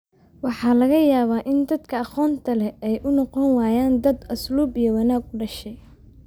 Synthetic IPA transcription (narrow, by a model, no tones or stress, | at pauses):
wɑħɑːlɐɣɐjaːβaːʔɪnd̪ɐd̪kʰɐɑχɔːnt̪ʰɐlɛɛjʔʊnɔqɔnwaːjaːnd̪ɐd̪ɐsluːbijɔwɐnaːɡʊɖɐʃɛj